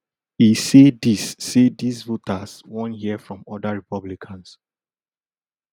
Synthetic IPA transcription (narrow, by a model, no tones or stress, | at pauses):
hisedisːedisvotʰaswɔ̃nhiəfɹɔ̃mɔdaɹipɔblikʰãns